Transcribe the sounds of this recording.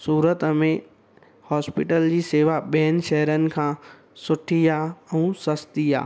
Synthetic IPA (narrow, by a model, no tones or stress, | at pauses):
suːɾət̪mẽ | hɔːspɪʈəld͡ʑiːseːʋaɓɛːn̆ʃɛɦəɾənɪ̆kʰãː | sʊʈʰijaɛ̃ːsɐst̪ija̰ː